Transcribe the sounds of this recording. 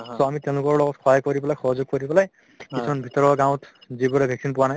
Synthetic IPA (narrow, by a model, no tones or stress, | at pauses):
sɔamitɛ̃ʊ̃lʊkɔɹlɔɡɔtxʰɔjakoɹipɛlajxɔɦɔzuɡ̚koɹipɛlaj | kisʰɔnbʱitɔɹɔɹɡãw̃tzibɔɹɛbʱɛksinpʊwanaj